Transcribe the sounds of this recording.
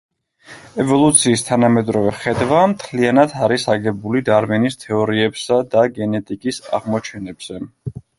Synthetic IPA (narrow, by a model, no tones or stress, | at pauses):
ɛvɔlˠut̪sʰiːst̪ʰanamɛd̪ɾɔvɛχɛd̪wamt̪ʰlianat̪ʰaɾisaɡɛbulid̪aɾmɛnist̪ʰɛɔɾiɛbsad̪aɡɛnɛt̪ʼikʼisa̰ʁmɔt͡ʃʰɛnɛbz̥ɛ